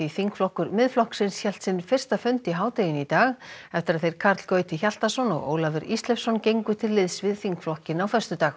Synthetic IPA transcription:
iθiŋkflɔhkʏɾmɪðflɔhksɪnsçɛlt̪sɪnfɪr̥st̪afʏnt̪iɦaːwt̪ejɪnit̪aːɣɛft̪ɪɾaðθejɾ̥kʰaɾt̪l̥kœːɥjt̪ʰɪçal̥t̪asɔnɔ̰ɣo̰ːwlavɪɾist̪lɛfsɔncejŋkʏt̪ʰɪlːɪðsvɪðθiŋkflɔhcɪnawfɛst̪ʏt̪aːx

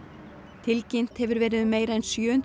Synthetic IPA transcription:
t̪ʰɪlcɪn̥t̪hɛvʏɾvɛːɾɪðmeɪɾɛnsjøːn

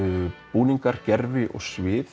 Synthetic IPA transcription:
puːniŋkaɾ̥cɛɾvɪʔɔ̰ɣsvɪːθ

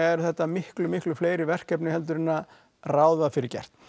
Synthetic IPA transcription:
ɛɾθɛht̪ːamɪhklʏmɪhklʏfleːjɾɪvɛr̥kɛpnɪhɛlt̪̬ʏɾɪnːa | raːwðafɪɾɪɾcɛ̰r̥t̪

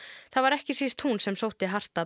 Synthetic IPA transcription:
θaðvaɾɛhcɪsiːst̪ʰhunsɛmsowht̪ɪaɦar̥t̪a

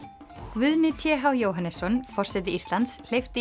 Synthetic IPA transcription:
kvʏðnɪt̪ʰjɛɦawjoːwɦanːɛsːɔnfɔr̥sɛt̪̬ɪist̪lant̪sl̥ejft̪ɪ

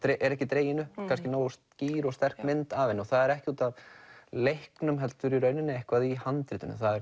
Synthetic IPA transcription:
t̪ɾeʔɛɾɛhcɪt̪ɾeːjɪnʏkʰanscɪnoːwʏst̪ciːɾɔɣst̪ɛr̥kmɪnt̪avɪnɔɣθaðɛɾɛhcɪuːt̪avlehknʏmɦɛlt̪ʏɾiɾœːɥnʏnɪɛhkvaðihant̪ɾɪːt̪ʏnʏ̰θaðɛɾ

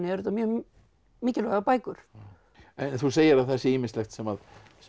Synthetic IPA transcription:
nɪɛɾʏt̪amjœːɣ | miːcɪlɛɣapaːjkʏɾ̥ | ɛnθuseːjɪɾaðθɛsːɪiːmɪslɛxt̪sɛmað | s

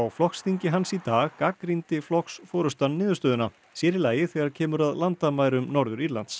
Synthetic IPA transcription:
awflɔksθiɲcɪɦansit̪aːɣkakɾint̪ɪflɔksfɔːɾʏst̪anːɪːðʏst̪œːðʏna | sjɛːɾɪlaːjɪθɛːɣaɾcʰɛːmʏɾaðlant̪amaːjɾʏmnɔɾðʏɾiɾlant̪s

